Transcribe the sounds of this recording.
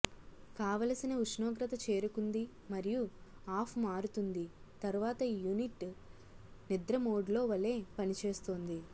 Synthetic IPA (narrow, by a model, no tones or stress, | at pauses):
kaːʋɐlɐsinɐut͡ʃnoːɡɾɐt̪ɐt͡ʃe̞ːɾukund̪i | mɐɾijuaːpʰmaːɾut̪und̪it̪ɐɾuʋaːt̪ɐjuniʈː | nid̪ɾɐmoːɖlo̞ːʋɐle̞ːpɐnit͡ʃe̞ːst̪oːnd̪i